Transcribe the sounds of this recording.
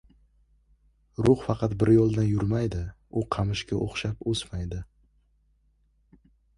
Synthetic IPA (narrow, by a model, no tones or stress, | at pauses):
ɾʊχfɑqʰɑt̪bɪɾjɒlˠd̪anjʊɾmajd̪ɪ | ʊqʰɑmɪʃkʲaʔoχʃaposmajd̪ɪ